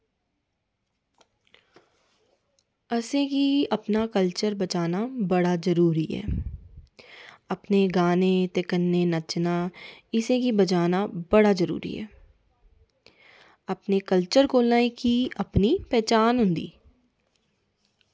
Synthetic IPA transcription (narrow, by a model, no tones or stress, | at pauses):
ɐsẽkiɐpnakəlt͡ʃəɾbɐt͡ʃaːnabɐɽazɐɾuːɾiɦɛ̰ː | ɐpneɡaːnet̪ɪkənːenɐt͡ʃnaɪsẽkibɐt͡ʃaːnabɐɽazɐɾṵːɾḭɦɛ̰ː | ɐpnekəlt͡ʃəɾkoːlaːĩkiɐpnipɛːt͡ʃaːnɦʊ̃nd̪ḭː